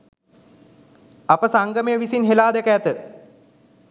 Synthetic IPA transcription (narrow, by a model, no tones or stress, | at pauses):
ɐpəsaŋɡəmɐjəʋisinɦelaːd̪ɛkəːt̪ə